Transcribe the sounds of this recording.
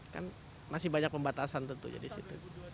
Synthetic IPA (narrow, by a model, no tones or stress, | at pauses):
ka̰n | masɪhbaɲak̚pəmbat̪asant̪ənt̪ṵd͡ʒa̰disḭt̪u